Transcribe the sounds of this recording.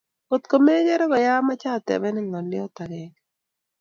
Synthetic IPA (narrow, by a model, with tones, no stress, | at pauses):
o˨t̪ko˨me˦d͡ʒɛ˦ɾɔ˦ɡɔ˨ja˦ma˦t͡ʃa˦˨t̪ɛ̰˨mɛ˦nɪ˦ŋɔ˨nɪ˦ɔ˦t̪a˨ɡɛ˨k